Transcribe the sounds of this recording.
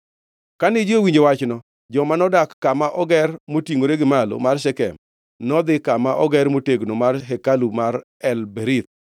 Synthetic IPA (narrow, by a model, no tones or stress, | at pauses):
kanɪd͡ʒowiɲd͡ʒewat͡ʃnɔ | d͡ʒɔmanɔdakːamaʔɔɡɛrmotiŋoɾeɡɪmalo̰marʃɛkɛ̰m | nɔd̪ɪkamaʔɔɡɛɾmoteɡnomarɦɛkalumaɾ | ɛlbeɾit̪̚